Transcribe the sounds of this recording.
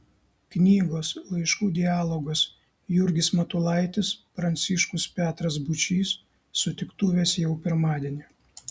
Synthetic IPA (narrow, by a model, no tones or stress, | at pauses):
knʲiːɡoːslˠɐɪʃkuːd̪ʲɪæːlˠɔɡɐs | jʊɾʲɡʲɪsmɐt̪ʊlˠɐɪt̪ʲɪspɾɐnʲt̪sʲɪʃkʊspʲæːt̪ɾɐs̬bʊt͡ʃʲiːsː | ʊt̪ʲɪkt̪uːʋʲeːsjɛʊpʲɪɾmɑːd̪ʲeɛnʲɪ